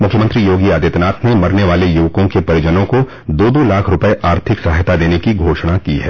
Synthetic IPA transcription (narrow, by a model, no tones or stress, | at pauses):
mʊkʰːjəmə̃nt̪ɾijoːɡiaːd̪ɪt̪naːt̪ʰnemɐɾneʋaːlejuːʋkõkepɐɾjʊd͡ʒənõko | d̪oːd̪olaːkʰɾʊpəʔaːɾt̪ʰɪksɐɦaːjt̪ad̪eːnekiɡʱoːʃɽ̃akiɦɛ̰ː